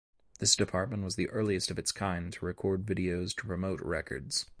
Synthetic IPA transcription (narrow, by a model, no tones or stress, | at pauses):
ðɪsd̥ɨpʰɑɹt̚mə̃nʔwʌzðiʔɜ˞lˠiɨstʌvɨtskʰãɪ̃ntʰəɹɨkʰɔɹdvɪɾioʊz̥tʰə̥pʰɹ̥ɨmoʊt̚ɹɛkə̰˞dz̥